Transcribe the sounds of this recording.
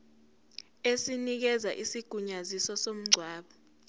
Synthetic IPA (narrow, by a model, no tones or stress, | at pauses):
esinik̬ɛza̰ʔisiɡ̥ʱuɲazisɔsom̩ɡ͡ǀʱwaːɓɔ